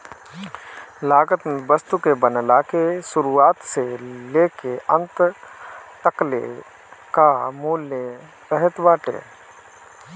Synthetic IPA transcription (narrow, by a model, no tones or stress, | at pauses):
laːɡət̪bəst̪ukebənlakeʃʊɾuaːt̪seleːkeʔə̃nt̪ | t̪əklḛ | kamuːle | səɦɛt̪baːʈḛː